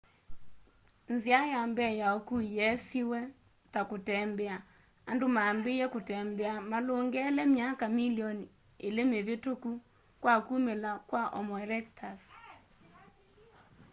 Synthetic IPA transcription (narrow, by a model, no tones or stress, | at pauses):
nziajambɛjaɔkujɛsiwɛ | takotɛmbɛa | andomaːmbejɛkotɛmbɛamaloŋɡɛlɛmjakamiliɔni | elemeβetoku | kwakumelakwaʔɔ̰mɔɛɾɛk̚tʰas